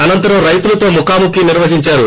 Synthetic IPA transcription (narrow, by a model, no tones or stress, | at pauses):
ɐnɐnt̪ɐɾɐ̃mɾɐjt̪ulɐt̪o̞ːmukaːmukiniɾʋɐɦiɲt͡ʃaːɾu